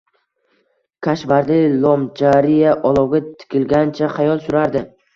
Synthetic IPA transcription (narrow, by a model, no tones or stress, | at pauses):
kʲʰaʃvaɾlɪlˠɒmd͡ʒaɾijaʔɒlˠɒwɡʲat̪ʰɪ̥kʲʰɪlɡʲant͡ʃʰaχɑjɒlˠsʊɾaɾd̪ɪ